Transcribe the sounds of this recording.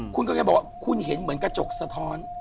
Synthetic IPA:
kʰu˧nkɔ˧˥ka˥˩bwa˧˩kʰu˧˥˩nhe˨˩˦nmɯ˩˦ənkɾa˧t͡ɕo˨˩k̚sa˧t̪ʰɔː˦˥n

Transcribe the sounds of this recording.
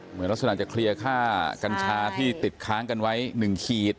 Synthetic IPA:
mɯ˩˦nla˥ksaː˧˩t͡ɕa˨˩kʰɾi˧əkʰaː˥˩ka˧nt͡ɕʰaː˧t̪ʰiː˥˩t̪i˨˩t̪̚kʰaː˦˥ŋka˧nwa˦˥jnɯ˨˩ŋkʰiː˨˩t̪̚

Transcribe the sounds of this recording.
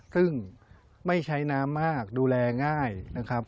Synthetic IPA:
sɯ˥˩ŋ | ma˥˩jt͡ɕʰa˦˥jnaː˦˥mːaː˥˩k̚duː˧lɛː˧ŋaː˥˩jna˦˥kʰɾa˦˥p̚

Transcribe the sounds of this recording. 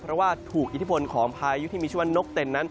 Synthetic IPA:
pʰɾɔ˦˥waː˥˩t̪ʰuː˨˩kʔi˨˩t̪ʰːpʰo˧nkʰɔː˩˦ŋpʰaː˧ju˦˥t̪ʰiː˥˩iː˧t͡ɕʰa˥nːo˦˥k̚t̪e˧˩nːa˦˥n

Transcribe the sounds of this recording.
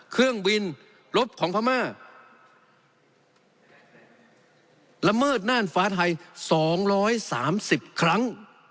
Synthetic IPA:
kʰɯ˥˩əŋbi˧n | ɾo˦˥p̚kʰɔː˩˦ŋpʰa˧maː˥˩ | la˧mɤː˥˩t̪̚naː˥˩˨nfaː˦˥t̪̚ʰa˧jsɔː˩˦ŋɾɔː˦˥jsaː˩˦msi˨˩p̚kʰɾa˦˥ŋ

